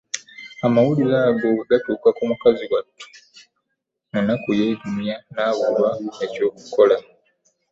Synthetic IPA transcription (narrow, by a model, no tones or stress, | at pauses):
amawulilaːɡo̞ɡatuːkakumukaziɡwatʰːu̥ | nanakujeːɟumjanaːβulwaeco̞ːku̥ko̞la